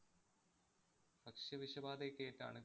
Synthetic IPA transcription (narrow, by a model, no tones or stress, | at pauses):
bɐkʂjɐʋiɕɐbaːd̪ekːeːtːa̰ːɳɨ